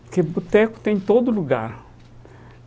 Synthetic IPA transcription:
kebut̪ɛkʊ̥t̪ẽj̃t̪od̪ʊluɡa̰ɾ

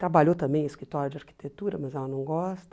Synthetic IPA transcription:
t̪ɾabaʎot̪ɐ̃mbẽj̃ɪskɾit̪ɔɾjʊd͡ʒɪaɾki̥t̪et̪uɾɐmɐzɛlɐnɐ̃w̃ɡɔst̪ɐ

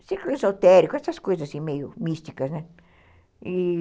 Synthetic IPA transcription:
siɾklizawt̪ɛɾikʊɛst̪ɐskojzɐzasĩmejʊmist̪ikɐznɛ | i

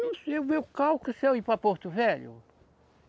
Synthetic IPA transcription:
nɐ̃w̃seumewkawkusewipɾɐpoɾt̪ʊvɛʎʊ̰

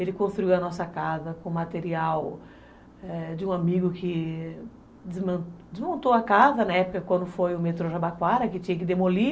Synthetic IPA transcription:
elɪkõst̪ɾuiwɐnɔsɐkazɐkõmat̪eɾiaw | ɛd͡ʒɪũamiɡʊkɪ | dɪzm̃d͡ʒɪzmõnt̪oɐkazɐnɐɛpʊkɐkwɐ̃nd̪ʊfojʊmet̪ɾoʒabakwaɾɐkɪt͡ʃĩɲɐkɪd̪emoli

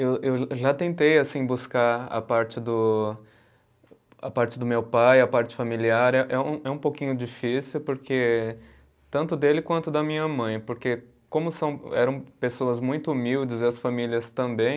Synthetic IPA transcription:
ewewʒat̪ẽnt̪ejasĩbuskaa̰paɾt͡ʃɪd̪ʊ | a̰paɾt͡ʃɪd̪ʊmewpajɐpaɾt͡ʃɪ̥familiaɾɛʔɛũɛũpowkĩɲʊd͡ʒifisiwpoɾkʰe | t̪ɐ̃nt̪ʊd̪elɪkwɐ̃nt̪ʊd̪ɐmĩɲɐmɐ̃j̃poɾke | kõmʊsɐ̃w̃ɛ̰ɾɐ̃w̃pesoɐzmũj̃t̪ʊumiwd͡ʒɪzɐsfamiliɐst̪ɐ̃mbẽj̃

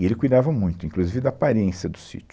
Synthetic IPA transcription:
elɪkujd̪avɐmũj̃t̪ʊĩŋkluzivɪd̪ɐpaɾẽsjɐd̪ʊ̥sḭt͡ʃ

